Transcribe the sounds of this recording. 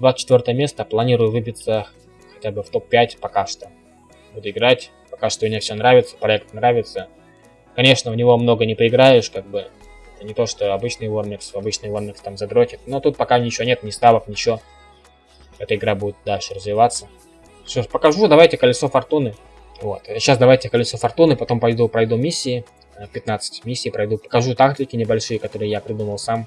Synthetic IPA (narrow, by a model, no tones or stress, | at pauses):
d̪vat̪t͡ɕːɪt̪vʲo̞rt̪əjəmʲe̞st̪əplˠɐnʲiɾʊjʊvɨpʲɪt̪sə | xɐ̥tʲabɨft̪o̞pʲːætʲpɐkaʂt̪o | bud̪ʊɪɡɾatʲ | pɐkaʂt̪oʊnʲefsʲonɾavʲɪt̪sə̥pɾɐɛk̚t̪nɾavʲɪt̪sə | kɐnʲe̞ʂnəʊnʲɪvo̞mno̞ɡənʲɪpəɪɡɾajɪʂkaɡ̚bɨ | ɛt̪ənʲɪt̪o̞ʂt̪o̞ɐbɨt͡ɕnɨjvormʲɪksɐbɨt͡ɕnɨjvormʲɪkst̪amzɐd̪ɾokʲɪt̪̚no̞t̪ut̪̚pɐkanʲɪt͡ɕɪvo̞nʲe̞t̪nʲɪst̪avəknʲɪt͡ɕɪo̞ | ɛt̪əɪɡɾabudʲɪt̪̚d̪alʲʂɨrəzvʲɪvat̪sːə | soʂpəkɐʐud̪ɐvajtʲɪkəlʲɪso̞fɐrt̪unɨ | vo̞t̪ɕasd̪ɐvajtʲɪkəlʲɪsofɐrt̪unɨpɐt̪o̞mpɐjd̪upɾɐjd̪umʲisʲːɪː | pʲɪt̪nat̪sɨ̥tʲmʲisʲːiːpɾɐjd̪upə̥kɐʐut̪ak̚tʲɪkʲɪnʲɪbɐlʲʂɨjəkɐt̪o̞ɾɨjjapɾʲɪd̪uməlˠsam